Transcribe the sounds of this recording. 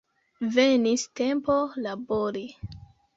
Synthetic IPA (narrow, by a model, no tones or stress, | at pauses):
veniste̞mpolaboɾi